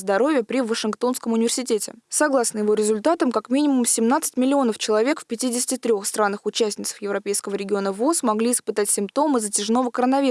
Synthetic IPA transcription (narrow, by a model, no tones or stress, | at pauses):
zd̪ɐɾo̞vʲɪjəpɾʲɪvːəʂɨnkt̪o̞nskəmʊnʲɪvʲɪrsʲɪtʲetʲɪ̰sɐɡlˠasnəjɪvo̞ɾʲɪzʊlʲt̪at̪əmkakmʲinʲɪmʊmsʲɪmnat̪sɨ̥tʲmʲɪlʲɪo̞nəft͡ɕɪlˠɐvʲe̞kfʲpʲɪtʲidʲɪsʲɪ̥tʲɪt̪ɾʲoxst̪ɾanːɨxʊt͡ɕæsʲnʲɪt̪sə̥fjɪvɾɐpʲejskəvəɾʲɪɡʲɪo̞nəvosmɐɡlʲiɪspɨt̪atʲsʲɪmpt̪o̞mɨzətʲɪʐno̞vəkəɾənɐvʲi